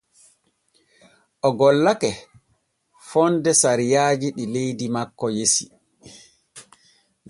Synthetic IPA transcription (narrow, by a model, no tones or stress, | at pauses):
ʔɔɡɔlːakɛ | fɔndɛsaɾijaːd͡ʒiɗilejdimakːɔjesi | n